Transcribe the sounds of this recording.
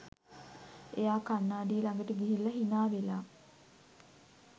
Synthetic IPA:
ejaːkanːaːɖiəlaŋɡəʈəɡiɦilːɐɦinaːʋelaː

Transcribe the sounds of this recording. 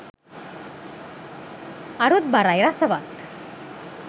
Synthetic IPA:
aɾut̪̚baɾajɾasəʋat̪

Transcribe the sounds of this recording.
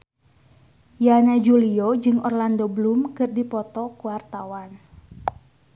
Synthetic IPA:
janad͡ʒuliod͡ʒɨŋʔɔrland̪oblumkɨrdipɔt̪ɔkuwart̪awan

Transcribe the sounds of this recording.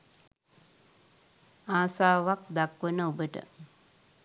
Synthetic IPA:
aːsaːʋak̚d̪akʋənəobəʈə̰

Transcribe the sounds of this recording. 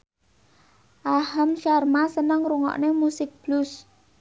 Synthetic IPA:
ʔahəmʃarmasənəŋɾuŋɔ̰ʔnemusɪk̚b̥lus

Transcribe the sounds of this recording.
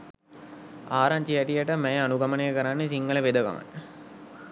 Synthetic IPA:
aːɾaɲt͡ʃijɛʈijəʈəmɛjəanuɡɐmənejəkəɾanːes̬iŋɡələʋed̪əɡa̰mə̰n

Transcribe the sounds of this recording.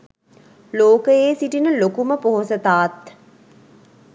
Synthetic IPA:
loːkəjeːsiʈinəlokuməpoɦosət̪aːt̪

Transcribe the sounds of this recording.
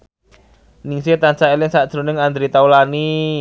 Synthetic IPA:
nɪŋset̪ansaelɪŋsaʔd̥ʒ̥ɾo̤nɪŋand̪ɾit̪aulani

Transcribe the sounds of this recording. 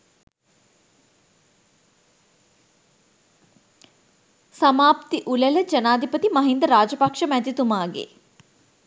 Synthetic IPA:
sɐmaːpt̪iʔulələd͡ʒənaːd̪ʱipət̪imɐɦind̪əɾaːd͡ʒəpakʂəmæd̪it̪umaːɡḛ

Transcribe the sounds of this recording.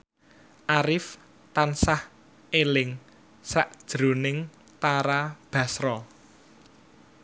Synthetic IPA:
ʔaɾɪf | t̪ansah | elɪŋ | saʔd̥ʒ̥ɾonɪŋ | t̪aɾab̥a̤sɾɔ

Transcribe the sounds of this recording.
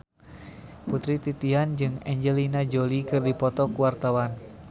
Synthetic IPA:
put̪ɾit̪it̪iɦand͡ʒɨŋɛɲd͡ʒɛlinad͡ʒolikɨrdipɔt̪ɔkuwart̪awan

